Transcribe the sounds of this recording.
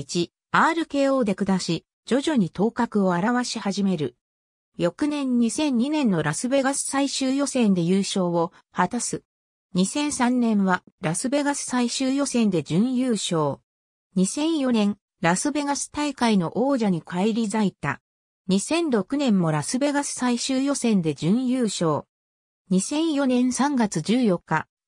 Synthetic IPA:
t͡ɕi | aːɾɯ̟ke̞ːo̞ːd̪e̞kɯ̟d̪aɕi | d͡ʑo̞ʑo̞ɲ̟it̪o̞ːkakɯ̟o̞aɾaβaɕihaʑime̞ɾɯ̟ | jo̞kɯ̟nẽ̞ɲ̟ɲ̟isẽ̞ɲ̟ːinẽ̞nːo̞ɾasɨbe̞ɡasɨ̥saiɕɨːjo̞sẽ̞nd̪e̞jɯːɕo̞ːβo̞ | hat̪asɨ | ɲ̟isẽ̞ɰ̃sãnːẽ̞ɰ̃βaɾasɨbe̞ɡasɨ̥saiɕɨːjo̞sẽ̞nd̪e̞d͡ʑɨ̃ɰ̃jɯːɕo̞ː | ɲ̟isẽ̞ɰ̃jo̞nẽ̞ŋ | ɾasɨbe̞ɡasɨ̥t̪aikaino̞ʔoːʑaɲ̟ikʰaiɾʲizait̪a̰ | ɲ̟isẽ̞nɾo̞kɯ̟nẽ̞mːo̞ɾasɨbe̞ɡasɨ̥saiɕɨːjo̞sẽ̞nd̪e̞d͡ʑɨ̃ɰ̃jɯːɕo̞ː | ɲ̟isẽ̞ɰ̃jo̞nẽ̞ɰ̃sãŋɡat͡sɨd͡ʑɨːjo̞kːa

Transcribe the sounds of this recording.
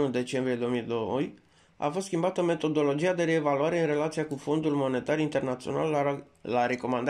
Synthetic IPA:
nud̪e̞t͡ʃe̞mbɾije̞d̪o̞omijd̪oj | a̰fost̪skʲimbat̪əme̞t̪o̞d̪o̞lo̞d͡ʒijad̪e̞ɾe̞valuaɾe̞ɨnre̞lat̪siakufo̞nd̪ulmo̞ne̞t̪arint̪e̞rnat̪sio̞na̰l | laɾe̞ko̞mand̪

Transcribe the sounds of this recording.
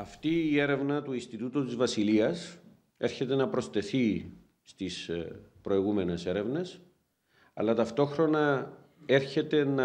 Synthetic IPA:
ɐft̪iːe̞ɾe̞vnɐt̪uinst̪it̪ut̪ut̪izvɐsiliɐs | e̞ɾçe̞t̪e̞nɐpɾo̞st̪e̞θi | st̪ispɾo̞iɣume̞ne̞se̞ɾe̞vne̞s | ɐ̰lːɐt̪ɐft̪o̞xɾo̞nɐ | e̞ɾçe̞t̪e̞nɐ

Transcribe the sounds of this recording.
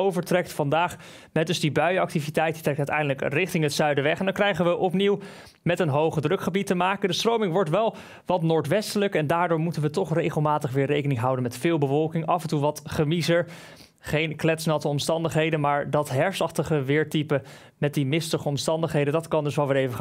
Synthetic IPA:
owvəɹtrɛk̚tfɑndaːχ | mɛdɵzdibœɥɑk̚tivitɛjtdi̥trɛk̚tœtɛjndələkrɪχtɪŋɦətsœɥdəʋɛχtɛndɑŋkrɛjχənʋəʔɔpniw | mɛtənɦowχədrɵkχəbitəmaːkəndəstrowmɪŋʋɔɹtʋɛlˠ | ʋɑtnʊːɹtʋɛstələkɛndaːɹdʊːɹmutənʋətɔχrejχəlˠmaːtəχʋɪːɹrejkənɪŋɦɑwdənmɛtfɪːlˠbəvɔlˠkɪŋʔɑfəɛntuʋɑtχəmizəɹ | χejnklɛtsnɑtəɔmstɑndəχɦejdənmaːɹdɑtɦɛɹsɑχtəχəʋɪːɹtipə | mɛt̚dimɪstəχəɔmstɑndəχɦejdəndɑtkɑndɵsʋɛlˠʋɪːɹejvə

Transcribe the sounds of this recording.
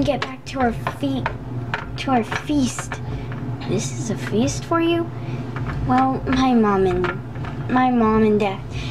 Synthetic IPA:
nɡɛt̚b̥æk̚tʰəaə˞fitʰ | ɨaʊə˞fist | ðɪsɨzɨfistfə˞jʉ | wɛlˠmaɪmɑ̃mɨ̃n | maɪmɑ̃mɨ̃ndɛθ

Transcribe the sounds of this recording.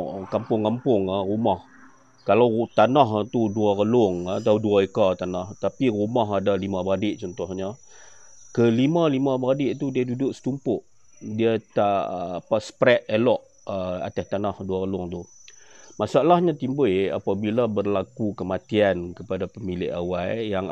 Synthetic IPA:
kampʊŋkampʊŋarumah | kalawt̪anaɦt̪uduakəlʊŋat̪̬auduaekat̪anaht̪apirumaɦadalimabadɪʔt͡ʃɔnt̪ɔhɲa | kəlimalimãbadɪʔt̪udiadudʊʔsə̥t̪umpʊʔ | diət̪aʔpasə̥pɾɛt̪̚elɔʔ | əa̰t̪ast̪anahduakəlʊŋt̪u | masaʔlahɲat̪imbəa̰pabilabərlakukəmat̪iankəpadapəmilɪ̰ʔa̰wajjaŋ

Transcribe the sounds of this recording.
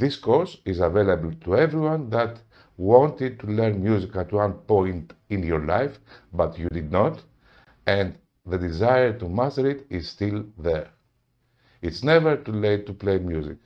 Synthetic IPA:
ðiskoɹsizavelebəlt̪uevɾiwãnðat̪ | wɔ̃nt̪id̪̚t̪ulɛɾnmjuzikat̪wãnpõj̃ntĩnjɔɹla̰jfbat̪jud̪id̪not̪ | ɛ̃n | ðəd̪izajəɹt̪umast̪əɾit̪izst̪ilðɛɹ | itsnɛvəɹt̪ulet̪ːuplejmjuzḭk

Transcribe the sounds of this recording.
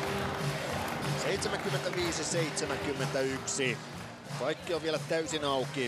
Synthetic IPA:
seit̪semæŋkymːent̪æʋiːsiseit̪semæŋkymːent̪æyksi | kɑjkːioʋʋielæt̪æysinɑuki

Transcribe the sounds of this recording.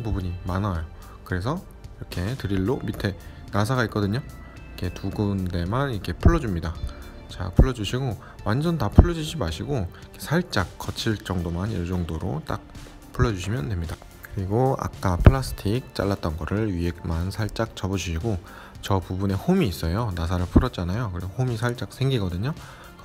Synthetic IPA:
npubuɲimanajo | kɯɾe̞s̬ʰʌ | iɾʌkʰe̞tɯɾiɭːomitʰe̞ | nasʰaɡaitk͈ʌdɯɲo | ikʰe̞tuɡɯnde̞maniɾʌkʰe̞pʰuɭːʌd͡ʑumɲida | t͡ɕa̰pʰuɭːʌd͡ʑuɕʰiɡo | wand͡ʑʌntapʰuɭːʌd͡ʑud͡ʑimaɕʰiɡo | kʰesʰaɭt͡ɕ͈ak͈̚ːʌt͡ɕʰiɭt͡ɕ͈ʌŋdomanḭɭt͡ɕʌŋdoɾo̰t͈a̰k̚ | pʰuɭːʌd͡ʑuɕʰimjʌndwe̞mɲida | kɯɾiɡoa̰k̚k͈apʰɯɭasʰɯ̥tʰik̚t͡ɕ͈a̰ɭːat̚t͈ʌnɡʌɾɯɭɥiɦek̚mansʰaɭt͡ɕ͈ak̚t͡ɕʌbʌd͡ʑuɕʰiɡo | t͡ɕʌpubune̞homiːs͈ʌjonas̬ʰaɾɯɭpʰuɾʌt͡ɕ͈anajokɯɾisohomisʰaɭt͡ɕ͈ak̚s͈ʰeŋɡiɡʌdɯɲo

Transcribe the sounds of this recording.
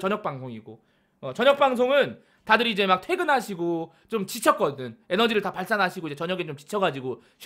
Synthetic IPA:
t͡ɕʌɲʌk̚p͈aŋsʰoŋiɡo | ʌt͡ɕʌɲʌk̚p͈aŋs̬ʰoŋɯn | tadɯɾiːd͡ʑe̞mak̚tʰwe̞ɡɯnɦaɕʰiɡo | t͡ɕomt͡ɕit͡ɕʰʌk͈ʌdɯne̞nʌd͡ʑiɾɯɭtapaɭs͈anɦaɕʰiɡoid͡ʑe̞t͡ɕʌɲʌɡet͡ɕomt͡ɕi̥t͡ɕʰʌɡad͡ʑiɡo | ɕʰ

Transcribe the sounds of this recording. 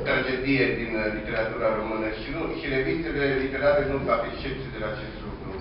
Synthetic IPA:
t̪ɾad͡ʒe̞d̪ije̞d̪inlit̪e̞ɾat̪uɾaɾo̞mɨnəʃinuʃiɾe̞vinselelit̪e̞ɾaɾenuvafiekʃt͡ʃep̚t̪sʲied̪elaːt͡ʃe̞st̪lukɾu

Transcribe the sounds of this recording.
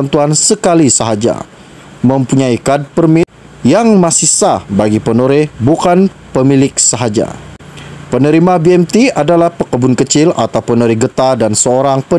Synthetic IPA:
nt̪uansəkalisaɦad͡ʒa̰ | məmpuɲaikad̚pərmɪt̪̚ | jaŋmasihsahbaɡipənoɾɪhbukan | pəmilɪk̚saɦad͡ʒa̰ | pənəɾimabiɛmt̪iadalahpəkəbʊnkət͡ʃɪla̰t̪awpənəɾɪhɡət̪adansəoɾaŋpə

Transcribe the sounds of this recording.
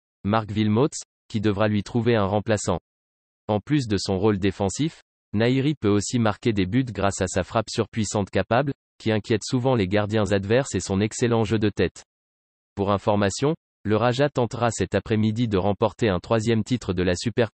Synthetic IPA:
maʁkvilmot̪s | kʲid̪əvʁalɥit̪χuveɛ̃ʁɑ̃plasɑ̰̃ | ɑ̃plys̬d̪əsɔ̃ʁold̪efɑ̃sif | naiʁipøosimaʁkʲed̪ebyt̪ɡʁasasafχapsyʁpɥisɑ̃t̪kapabl | kʲiɛ̃kʲjɛt̪suvɑ̃leɡaʁd̪jɛ̃zad̪vɛʁsesɔ̃nɛkselɑ̃ʒød̪ət̪ɛt̪ | puʁɛ̃fɔʁmasjɔ̃ | ləʁaʒat̪ɑ̃t̪ʁasɛt̪apχɛmid̪id̪əʁɑ̃pɔʁt̪eɛ̃t̪χwazjɛmt̪it̪χəd̪əlasypɛʁ

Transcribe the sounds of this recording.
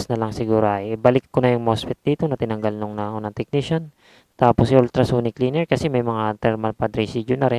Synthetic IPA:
snɐlɐŋsɪɡuːɾoʔɐjʔbɐlɪkːonɐjʊŋmospɪt̪̚d̪iːt̪o̞nɐt̪ɪnɐŋɡalnʊŋnɐʔonɐŋt̪ɛk̚niʃɐn | t̪aːposɪʔʊlt̪ɾɐsuːnɪkliːnɛɹkɐsɛmɐjmɐŋat̪ɛɾmɐnpɐd̪ɾisid͡ʒjʊnɐɾɛn

